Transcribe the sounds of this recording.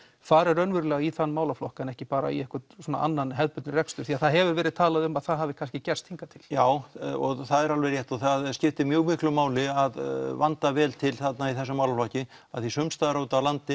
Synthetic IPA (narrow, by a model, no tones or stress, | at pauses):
faɾɛɾœnvʏɾʏlɛːɣaiθanːmaːwlaflɔhkaɛnɛhcɪpaːɾa̰ḭɛhkʏsɔːna̰ʔa̰nːanɦɛðpʏt̪nʏɾɛkst̪ʏɾ̥θiaðθaðɦɛvʏɾvɛːɾɪðt̪ʰaːlaðʏmaðθaðɦavɪkʰanscɪcɛrst̪hiŋkat̪ʰɪl̥jaːwɔɣθaðɛɾalvɛɾjɛht̪ɔθaðscɪft̪ɪmjœːɣmɪhklʏmaːwlɪaðvant̪avɛːlt̪ʰɪlθat̪naiθɛsːʏmaːwlaflɔhcɪ | aðθisʏmst̪aðɾowt̪alant̪ɪ